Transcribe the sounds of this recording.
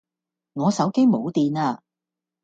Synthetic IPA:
ŋɔː˨˧sɐ˨˥wke˥jmo˨˧wt̪iː˨˧naː˧

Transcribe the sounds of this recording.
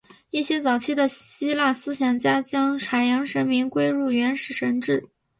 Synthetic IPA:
i˥˩ɕjɛ˥t͡sɑ˨˩ʊt͡ɕʰi˥˩d̪ə˨ɕi˥la˥˩sɹ̩˥ɕjɑ˨˩ŋt͡ɕja˥t͡ɕjɑ˥ŋʈ͡ʂʰa˨˩jɑ˧˥ŋʂə˧˥nmi˧˥ŋkwe˥ɪɻu˥˩ɥɛ˧˥nʂɻ̩˥˩ʂə˧˥nʈ͡ʂɻ̩˥˩

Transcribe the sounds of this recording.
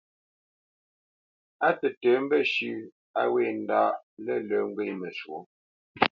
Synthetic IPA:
a˦tə˨tə˨˦m̩˦bə˦ʃʉ˦ | a˦we˦˨n̩˦daː˦ʔlə˦˨lə˨˦ŋ˦ɡwe˦˨mə˨ʃwo˨˦

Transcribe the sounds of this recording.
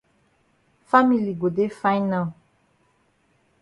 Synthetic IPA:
fa˦mi˨li˨ɡo˨de˦fa˦jnã˨l

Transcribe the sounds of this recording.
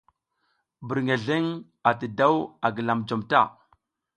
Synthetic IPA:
bə˨ɾŋe˨ɮe˦ŋ | a˨tə˨da˦wa˨ɡə˨la˨md͡ʒo˨mta˦˨

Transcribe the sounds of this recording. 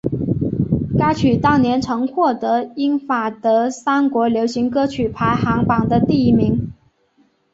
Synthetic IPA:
ka˥ɪt͡ɕʰy˨˩t̪ɑ˥˩ʊnjɛ˧˥nʈ͡ʂʰɤ˧˥ŋxwɔ˥˩t̪ɤ˧˥i˥nfa˨˩t̪ɤ˧˥sa˥nkwɔ˧˥ljo˧˥ʊɕi˧˥ŋkɤ˥t͡ɕʰy˨˩pʰa˧˥ɪxɑ˧˥ŋpɑ˨˩ŋd̪ə˦t̪i˥˩i˧˥mi˧˥ŋ

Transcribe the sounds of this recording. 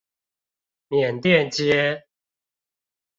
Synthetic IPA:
mjɛ˨˩nt̪jɛ˥˨nt͡ɕjɛ˦

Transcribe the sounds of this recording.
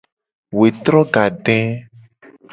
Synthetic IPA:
we˨t̪ɾɔ˦ɡa˨ɖɛ̃˦

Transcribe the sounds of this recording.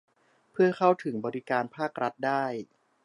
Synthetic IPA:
pʰɯ˥˩ɐkʰa˥˩wt̪ʰɯ˩˦ŋbɔː˧ɾi˦kaː˧npʰaː˥˩k̚ɾa˦˥t̪̚daː˥˩j

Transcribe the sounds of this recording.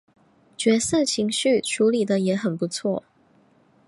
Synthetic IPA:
t͡ɕɥɛ˧˥sɤ˥˩t͡ɕʰi˧˥ŋɕy˥˩ʈ͡ʂʰu˧˥li˨˩d̪ə˦jɛ˧˥xə˨˩npu˧˩˦t͡sʰwɔ˥˩

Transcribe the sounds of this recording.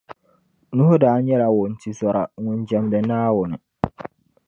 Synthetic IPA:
nũ˦ho˦daː˨˦n˦ɲɛ˦la˨wʊ˨n̩˨tʰi˨sɔ˨ɾa˨˦ŋʊ̃˨n˦d͡ʒɛ˨˦mdɛ˨naː˦wʊ˨nɪ˨

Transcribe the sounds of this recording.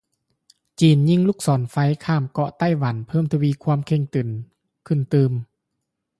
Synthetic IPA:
t͡ɕiː˨˩nɲi˧˥˨ŋluː˧˥˩k̚sɔː˨˦nfa˧˥jkʰaː˧˥˩mkɔ˧ʔt̪a˧˥˩jwa˨˦npʰɤː˧˥˩mt̪ʰa˧wiː˧˨kʰwua˧˥˨mkʰe˧ŋt̪ɯ˨˩n | kʰɯ˧˩nt̪ɯː˧m

